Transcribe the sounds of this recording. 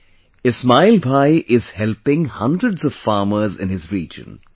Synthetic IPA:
ɪsmaɪlbʱaɪʔɪz̥hɛlpɪ̃ŋhʌ̰̃ndɾəɖzɔʋ̥faːməɾzɪ̰̃nhɪzɾiːd͡ʒə̰̃n

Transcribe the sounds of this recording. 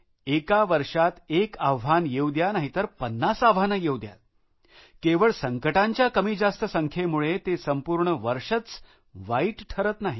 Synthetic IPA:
ekaʋəɾʂat̪ekaʋʋanjewd̪janaɦit̪əɾpənːasaʋ̤anəjewd̪ja̰t̪̚ | keʋəɭsəŋkəʈaɲt͡ɕjakəmiːd͡zast̪əsəŋkʰjemuɭet̪esəmpuɾɳəʋəɾʂət͡s | ʋaiːʈʈʰəɾət̪naɦi

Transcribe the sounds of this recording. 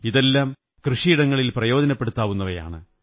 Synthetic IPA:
iðe̞lːaːm | krɨʂiiɽɐŋːɐɭilprɐjo̞ːdɐnɐpːeɽut̪ːaːʋunːɐʋɐja̰ːɳɨ

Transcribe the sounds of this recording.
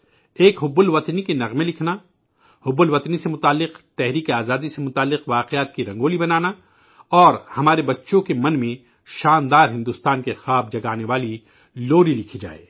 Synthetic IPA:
eːkɦʊbʊlʋɐt̪nikenɐɣmelɪkʰna | hʊbʊlʋɐt̪nisemʊt̪aːlːɪqt̪ɛɦɾiːkeaːzaːd̪isemʊt̪aːlːɪqʋaːqejaːt̪kiɾɐ̃ŋɡoːlibɐnaːna | ɔːɾhɐmaːɾebɐtːʃõkemɐ̃nmẽ | ʃaːnd̪aːɾɦɪ̃nd̪ʊst̪aːnkexaːb̚d͡ʒɐɡaːneʋaːli | loːɾilɪkʰid͡ʒa̰ːḛː

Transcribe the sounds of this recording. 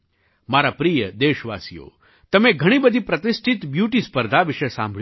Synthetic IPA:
maɾapɾijəd̪eːʃʋa̰sijo̰ | t̪əmeɡʱəɽ̃ibəd̪ʱipɾət̪ɪsʈʰɪt̪bjuːʈispəɾd̪ʱaʋɪʃesã̰mbʱɭ

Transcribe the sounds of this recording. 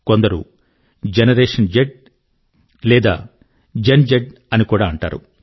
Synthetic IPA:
ko̞nd̪ɐɾṵ | d͡ʒenɐɾeːʂɐnd͡ʒeɖ̚ | lɛːd̪a̰ː | d͡ʒend͡ʒeɖ | ɐnikuːɽaːɐɳʈa̰ːɾṵ

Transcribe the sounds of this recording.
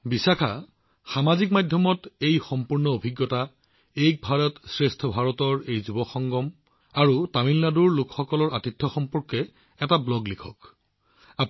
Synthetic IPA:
bisakʰa | xamazikmadʱjɔmɔtejxɔmpuɹnɔobʱiɡːɔta | ejk̚bʱaɹɔtsɹestʰɔbʱaɹɔtɔɹejzubɔxɔŋɡɔm | aɹutamilːaduɹlʊkxɔkɔlɔɹatitʰːɔxɔmpɔɹkɛ | ɛtablɔɡlikʰɔk | a

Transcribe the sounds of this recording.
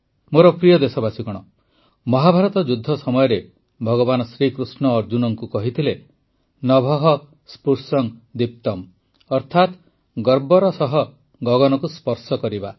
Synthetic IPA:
moɾɔpɾijɔd̪esɔbasikɔɽ̃ɔ | mɔɦabʱaɾɔt̪ɔd͡ʒud̪ʱːɔsɔmɔjɔɾe | bʱɔɡɔbanɔsɾikɾusnɔːɾd͡ʒunɔŋkukɔɦit̪ʰile | nɔbʱɔɦɔ | spuɾsɔŋd̪ip̚t̪ɔm | ɔɾt̪ʰat̪ | ɡɔɾbɔɾɔsɔɦɔ | ɡɔɡɔnɔkuspɔɾsɔkɔɾiba

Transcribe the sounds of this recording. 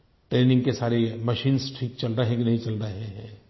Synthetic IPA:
ʈɾeːnɪ̃ŋɡkesaːɾemɐʃiːnsʈʰiːk̚t͡ʃɐlɾəɦɛ̃kinɐɦĩt͡ʃɐlɾəɦeɦɛ̃ː

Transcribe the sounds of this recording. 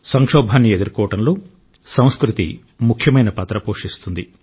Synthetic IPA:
sɐŋʂɔːbʱaːnːied̪uɾkɔːʋɐʈɐnloː | sɐ̃w̃skɾut̪ḭ | mukʰjɐmɐjnɐpɐt̪ɾɐpoːʂist̪und̪i

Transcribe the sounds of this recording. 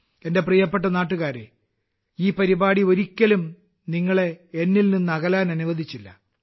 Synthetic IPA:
e̞nde̞prijɐpːeʈ̬ːɐnaːʈːuɣaːɾḛ | iːpɐɾibaːɽioɾikʲːɐlum | niŋːɐɭe̞enːilninːuɐɣɐlaːnɐnuʋɐd̪ʱit͡ɕːilːɐ̰

